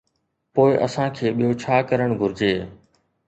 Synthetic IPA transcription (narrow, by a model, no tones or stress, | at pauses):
poːɪʔə̰sãːkʰeːɓijoːt͡ɕʰaːkəɾəɳ̃ɡʱʊɾd͡ʒeː